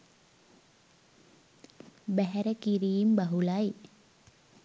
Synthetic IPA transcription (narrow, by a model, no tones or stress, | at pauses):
bæɦæɾəkiɾiːmbaɦulaj